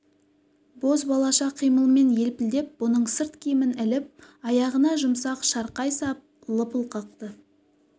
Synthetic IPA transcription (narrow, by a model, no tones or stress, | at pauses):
bo̞s̬bɑlˠɑʃɑqʰijməlˠme̞nje̞lpɪld̪e̞p̚wonəɴsəɾt̪kʲʰijmɪnɪlɪp̚ɑjɑʁənɑʒʊmsɑqʃɑɾqɑjsɑp̚ | lˠəpəlˠqʰɑq̚t̪ə